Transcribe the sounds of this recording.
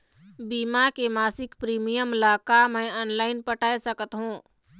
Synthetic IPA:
biːmakemaːsɪkpɾiːmijəmlaːkamɛ̃ɔːnlaːɪnpəʈaːesəkət̪ɦũː

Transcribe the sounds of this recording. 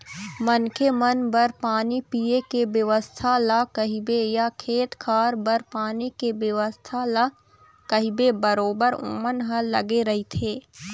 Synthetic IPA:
mənkemɐnbəɾpaːnipiːekebjɐʋəst̪ʰalakəɦibejakʰeːt̪kʰaːɾbəɾpaːnikebjəʋəst̪ʰal | kɐɦibebɐɾoːbəɾʊ̰mənɦəlːɐ̰ɡeɾɐɦit̪ʰeː

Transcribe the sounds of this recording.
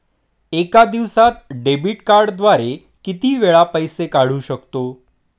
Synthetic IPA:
ekad̪iʋsat̪̚ɖebiʈkaɾɖd̪ʋaɾe | kit̪iːʋeɭapəjsekaɽ̤uːɕəkt̪o

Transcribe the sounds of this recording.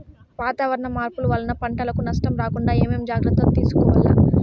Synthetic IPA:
ʋaːt̪aːʋɐɾɐɳɐmaːɾpuluʋɐlːɐnɐpɐɳʈɐlɐkunɐʂʈɐmɾaːkuɳɖaːeːmeːmd͡ʒaːɡɾɐt̪ːɐnt̪iːsu̥kɔːʋɐlːa̰

